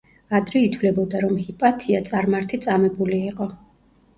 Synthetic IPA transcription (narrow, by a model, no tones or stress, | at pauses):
ad̪ɾɛit̪ʰwlɛbɔd̪aɾɔmhipʼat̪ʰiat̪sʼaɾmaɾt̪ʰit̪sʼamɛbuliːqʼɔ